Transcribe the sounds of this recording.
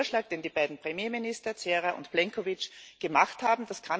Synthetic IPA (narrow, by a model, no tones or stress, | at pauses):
ɐʃlaːk̚d̥eːndiːb̥aɪdn̩pʁ̥emjeːminɪstɐt͡seːʁaʔʊ̰ntplɛŋkʰovɪt͡ʃɡ̥əmaχthaːbm̩d̥askʰan